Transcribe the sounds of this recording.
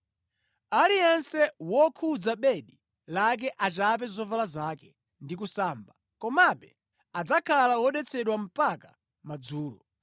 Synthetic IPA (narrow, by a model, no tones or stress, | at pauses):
alijɛnsɛwɔkʰud͡zaɓɛɗi | lak̬ɛʔat͡ʃap̬ɛzɔvalazaːkɛ | ndikusaːmba | kɔmaɓɛ | ad͡zakʰalawɔɗɛt͡sʰɛɗwam̩paka | mad͡zuːlɔ̰